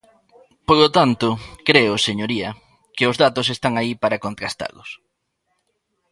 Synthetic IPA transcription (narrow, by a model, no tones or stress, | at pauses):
polot̪ant̪ʊkɾeʊseɲoɾiɐ | kɪʊzðat̪ʊsest̪aŋaipaɾɐkont̪ɾast̪a̰lʊs